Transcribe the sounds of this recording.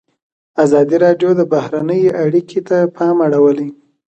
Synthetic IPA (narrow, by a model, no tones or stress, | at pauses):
azɑd̪iɾɑɖjod̪əbahɾanəjeʔaɽikʰet̪apʰɑmaɽawəle